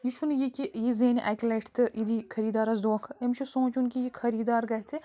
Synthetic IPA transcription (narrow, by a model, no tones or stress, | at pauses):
jit͡ʃʰunjikʲijizeːniʔɛkʲlɐʈʰt̪ɨid̪ikʰɐɾiːd̪aːɾɐsd̪oːkʰemt͡ʃʰisõːt͡ʃunkijikʰɐɾiːd̪aːɾɡɐɦt̪ʰi